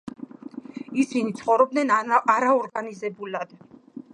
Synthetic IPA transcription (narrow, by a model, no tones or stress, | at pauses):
isinit̪sʰχɔvɾɔb̚d̪nɛnaɾaɔɾɡanizɛbulad̪̥